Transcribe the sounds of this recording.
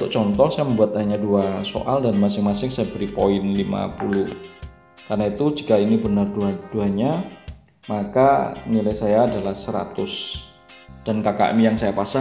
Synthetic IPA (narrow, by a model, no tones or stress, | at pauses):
unt̪ʊʔt͡ʃɔnt̪ɔhsajaməmbuat̪̚aɲaduaso̰ʔaldanmasɪŋmasɪŋsajabəɾipoɪnlima̰pulʊ | karnait̪ud͡ʒi̥kainibənərduad̥uaɲa | makanilajsajaːdalahsəɾa̰t̪ʊs | d̥ankaka̰ʔmijaŋsajapasa